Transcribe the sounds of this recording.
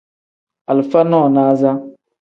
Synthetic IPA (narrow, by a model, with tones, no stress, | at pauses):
a˨lfa˦nɔ˦˨naː˦za˦